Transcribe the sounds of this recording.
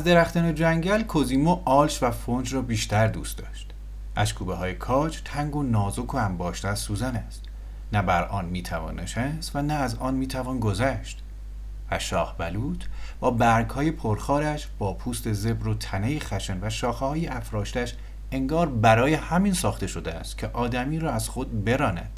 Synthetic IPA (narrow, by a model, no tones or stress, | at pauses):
æzd̪e̞ɾæxt̪ænod͡ʒæŋɟælkʰoziːmoʔɒːlʃvæfond͡ʒrɒːbiːʃt̪æɾd̪ṵːst̪d̪ɒːʃt̪ | ʔæʃkʰuːbeɦɒːjekʰɒːd͡ʒt̪ʰæŋɡo̞nɒːzokʰoæmbɒːʃt̪æsuːzænæst̪ | næbæɾʔɒːnmiːt̪ʰævɒ̰ːnːeʃæst̪vænæːzɒːnmiːt̪ʰævɒːnɡo̞zæʃt̪ | væʃɒːhbæluːt̪ʰb̥ɒːbæɾɡhɒːje̞pʰoɾxɒːɾæʃb̥ɒːpʰuːst̪e̞ze̞bɾot̪ʰænejexæʃenvæʃɒːxehɒːjeʔæfɾɒːʃt̪æʃ | e̞ŋɡɒːɾbæɾɒːje̞hæminsɒːxt̪e̞ʃo̞d̪eæ̰st̪cʰeʔɒːd̪æmiːɾɒːæz̥xod̪̚be̞ɾɒːnæ̰d̪̥